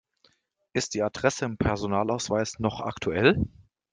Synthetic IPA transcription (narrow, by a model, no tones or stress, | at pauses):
ʔɪst̚d̥iːadʁɛsəɪmpʰɛɐzonaːlaʊsv̥aɪsnɔχa̰ktʰuɛl